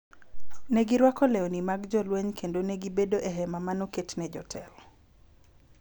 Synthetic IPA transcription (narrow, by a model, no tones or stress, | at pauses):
nɛɡiɾwakɔleonimaɡd͡ʒɔlweɲkʰendonɛɡibedoʔeɦɛmamanoketnɛd͡ʒɔtʰɛl